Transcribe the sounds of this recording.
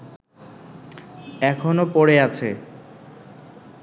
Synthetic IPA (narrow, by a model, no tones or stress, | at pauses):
ɛkʰonopoɽeat͡ɕʰe